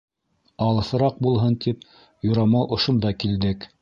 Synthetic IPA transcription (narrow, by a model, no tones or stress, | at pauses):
ɑlˠɤ̆θɤ̆ɾɑq̚bulˠɦɤnt̪ip | jŏɾɑmɑwʔŏʃŏnd̪ɑkild̪ɘk